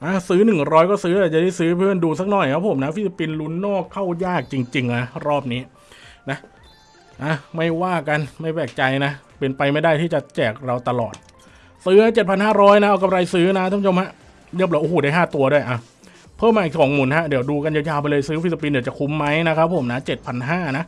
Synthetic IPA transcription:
ʔaː˧˩sɯː˦˥nɯ˨˩ŋɾɔː˦˥jkɔː˥˩sɯː˦˥t̪ɛː˨˩t͡ɕa˨˩da˥˩jsɯː˦˥pʰɯ˥˩ə˨nduː˧sa˦˥k̚nɔ˨˩jkʰa˦˥pʰːo˨˩˦mna˦˥fi˦˥sa˧pi˧nlu˦˥nːɔː˥˩kʰːa˥˩wjaː˥˩k̚t͡ɕi˧ŋt͡ɕi˧ŋʔa˧˩ɾɔː˥˩p̚niː˦˥ | na˦˥ʔ | ʔa˧˩ma˥˩jwaː˥˩ka˧nma˥˩jpɛː˨˩k̚t͡ɕa˧jna˦˥ | pe˧npa˧jma˥˩jdaː˥˩jt̪ʰiː˥˩t͡ɕa˨˩t͡ɕɛː˨˩k̚ɾa˧wt̪a˧lɔ̰ː˨˩t̪̚ | sɯː˦˥ha˦˥t͡ɕe˨˩t̪̚pʰa˧nɦaː˥˩ɾɔː˦˥jna˦˥ʔa˧wka˧p̚ɾa˧jsɯː˦˥na˦˥t̪ʰaː˧˥˩t͡ɕʰo˧mha˦˥ʔ | jɤ˦˥p̚la˨˦ʔːhoː˨˩˦daː˥˩jɦaː˥˩t̪u˧ɐdu˥˩əjʔa˨˧˩w | pʰɤː˥˩maː˧iː˨˩k̚sɔː˩˦ŋmuː˩˦nɦa˦˥di˨˩˦wduː˧ka˧nja˧˩˦jaː˧wpa˧lɤː˧jsɯː˦˥fi˦˥a˧p̬i˧ndi˩˦t͡ɕa˨˩kʰu˧˦mːa˦˥jna˦˥kʰa˦˥pʰːo˨˩˦mna˦˥t͡ɕe˨˩t̪̚pʰa˧nɦaː˥˩na˦˥

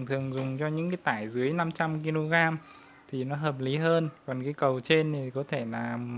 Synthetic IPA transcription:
t̪ʰɨ˨˩əŋzʊ˨˩ŋ͡mt͡ɕɔ˧ɲɨ̰˧˥ŋka˨˦t̪aː˧˩jzɨ˨˦əjna˧mt͡ɕa˧mki˧lo˧ɣaː˧m | t̪ʰi˨˩nɔ˨˦ɦəː˨˩p̚li˨˦ɦəː˧nkɔ˨˩nkaː˨˦jkə˨˩wt͡ɕe˧nt̪ʰi˨˩kɔ˨˦t̪ʰe˧˩laː˨˩

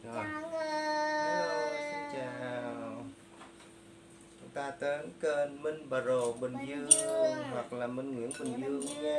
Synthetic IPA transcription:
ɗɔ˨˩˨ | si˧nt͡ɕaː˨˩˨ww | kt̪aː˧t̪əː˨˦nkəː˧nmɨ˧nɓa˨˩ɾo˨˩ɓɨ˨˩nzɨ˧əŋɦwa˨˩k̚laː˨˩mɨ˧ŋŋḭ˧˥ənɓɨ˨˩nzɨ˧əŋ

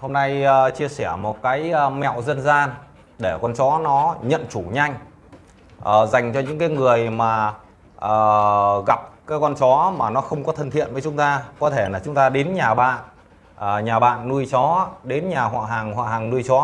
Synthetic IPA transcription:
ho˧mna˧jːt͡ɕi˧əsɛ˧˩əmo˨˩t̚kaː˨˦jmɛ̰˧˨wzə˧nzaː˧n | ɗe˧˩kɔ˧nt͡ɕɔ˨˦nɔ˨˦ɲə̰˧˨nt͡ɕu˧˩ɲa˧jŋ̟ | ʔəː˨˩za˨˩jŋ̟t͡ɕɔ˧ɲɨ̰˧˥ŋkaː˨˦jŋɨ˨˩əjmaː˨˩ | ʔəː˨˩ɣa˨˩p̚kaː˨˦jkɔ˧nt͡ɕɔ˨˦maː˨˩nɔ˨˦xə˧wŋ͡mkɔ˨˦t̪ʰə˧nt̪ʰḭ˧˨ənvəː˨˦t͡ɕʊ˨˦ŋ͡mt̪aː˧kɔ˨˦t̪ʰe˧˩laː˨˩t͡ɕʊ˨˦ŋ͡mt̪aː˧ɗe˨˦nɲaː˨˩ɓa̰ː˧˨n | əː˨˩ɲaː˨˩ɓa̰ː˧˨nːu˧jt͡ɕɔ˨˦ɗe˨˦nɲaː˨˩ɦwa̰ː˧˨ɦaː˨˩ŋhwa̰ː˧˨ɦaː˨˩ŋnu˧jt͡ɕɔ˨˦

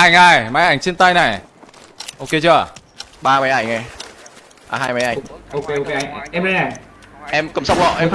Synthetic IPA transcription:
ʔa˧˩jŋ̟ʔaː˨˩jma̰˨˧˩jʔa˧˩jŋ̟t͡ɕe˧nt̪aː˧jna˨˩j | ʔo˧ke˧t͡ɕɨ˧˩ə˨˩ | ɓaː˧ma˨˦jʔa˧˩jŋ̟ʔa˧ | ɓa̰ː˧ɦaː˧jma˨˦jʔa˧˩ŋo˧ke˧ke˧˩˧ʔɛ˧ma˨˦jʔa˧˩ | ʔɛ˧mkə̰˧˨˩msa˦wŋ͡m̚ɔ̰˧˨ʔɛ˧m

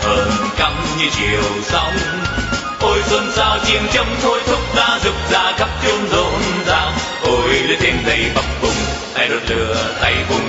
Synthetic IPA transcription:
həː˧n | ka˨˧˩mɲɨ˧t͡ɕi˨˩əwsa˧wŋ͡m | ʔo˧jso˧nsaː˧wt͡ɕi˧˨ənt͡ɕə˧ŋ͡mt̪ʰo˧jt̪ʰʊ˦˥k͡p̚zaː˧zʊ˨˩k͡p̚zaː˧xa˦˥p̚t͡ɕo˧nzo˧˩nzaː˧˩ | ʔo˧˩jlɨ˧˦t̪ʰe˧nzə˨˩jɓa˨˩wŋ͡m̚kʊ˨˩ŋ͡m | ʔ̪a˧jlo˨˩lɨ̰˨˩ət̪a˧jkʊ˧˩ŋ͡m

